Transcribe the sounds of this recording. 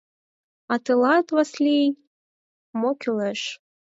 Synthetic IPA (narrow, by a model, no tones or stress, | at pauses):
ɑt̪ɨlɑt̪vɑslʲi | mokʲyleʃ